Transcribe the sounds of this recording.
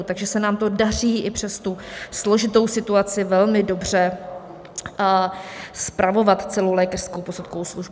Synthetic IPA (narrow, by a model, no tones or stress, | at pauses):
ut̪aɡʒɛsɛnaːmt̪o̞dar̝iːʔɪpr̝̥ɛst̪uslo̞ʒɪt̪o̞wsɪt̪uat͡sɪvɛlmɪdo̞br̝ɛ | spɾʔavo̞vat̪t͡sɛlo̞wlɛːkarskowpo̞sut̪̚kowsluʒb